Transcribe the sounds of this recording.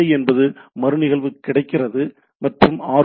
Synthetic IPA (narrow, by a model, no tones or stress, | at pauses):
ɐɪɛnbɐðɯmɐɾɯnɪɣɐɭʋɯkːɪɽɐɪkːɪrɐðɯ | mɐʈrɯmaː